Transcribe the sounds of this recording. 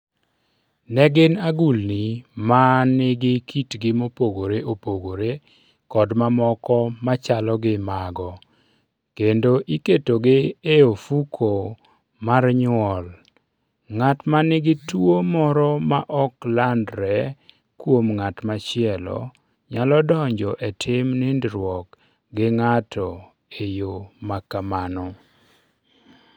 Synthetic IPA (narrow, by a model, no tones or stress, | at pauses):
nɛɡɪnaɡulnimanɪɡɪkʰitɡɪmopoɡoɾeʔopoɡoɾe | kɔdmamɔkɔmat͡ʃalɔɡɪmaɡɔ | kendoʔiketoɡɪeofukʰo | marɲʊɔl | ŋatmanɪɡɪtuomɔɾɔmaʔɔklandɾɛ | kwomŋatmat͡ʃɪɛlɔ̰ | ɲalɔdɔɲd͡ʒɔʔetʰɪmnɪndɾwɔk | ɡɪŋatɔ | ejomakamanɔ